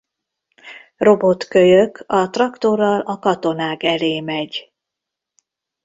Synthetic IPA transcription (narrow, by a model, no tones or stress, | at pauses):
ro̞bo̞t̪køjøkʰɒt̪rɒkt̪o̞rːɒlɒkɒt̪o̞naːɡɛleːmɛɟ